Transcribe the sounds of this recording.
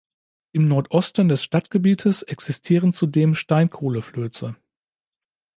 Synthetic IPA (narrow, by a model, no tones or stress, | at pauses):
ʔɪmnɔɐtʔɔstn̩dɛsʃtatɡ̥əbiːtʰəsɛksɪstʰiːʁənt͡sudeːmʃtaɪnkʰoːləfløːt͡sə